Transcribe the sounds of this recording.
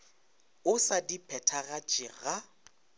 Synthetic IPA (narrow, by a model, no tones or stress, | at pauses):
ʊsadipʰɛtʰaɣat͡ʃʼɪɣa